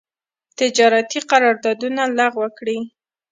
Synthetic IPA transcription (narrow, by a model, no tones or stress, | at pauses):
t̪ɪd͡ʒɑɾat̪iqaɾɑɾd̪ɑd̪unalaɣwəkɽi